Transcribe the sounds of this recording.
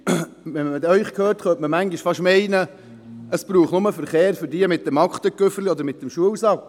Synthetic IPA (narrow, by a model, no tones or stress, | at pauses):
ʋɛmədœʏχkʰhøːrtχœtməmæŋɡɪʃfɑʃmɛɪnə | əsbɾuːχnʊməfəɾχeːɾfʏɾdiəmɪt̚dɛmɑkχt̪əkːʏfəɾliɔd̪əɾmɪt̚dɛmʃuəwsɑl